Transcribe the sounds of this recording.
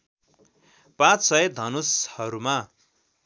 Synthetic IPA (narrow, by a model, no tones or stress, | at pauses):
pãt͡ssʌjʌd̪ʱʌnushʌɾuma